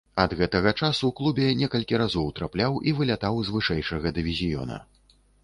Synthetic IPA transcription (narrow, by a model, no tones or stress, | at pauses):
ɐd̪ɣɛt̪ɐɣɐt͡ʂasuklˠubʲɛnʲɛkɐlʲkʲiɾazɔwt̪ɾaplʲawʔivɨlʲat̪awzvɨʂɛjʂɐɣɐd̪ɨvʲizʲijɔ̰nɐ̰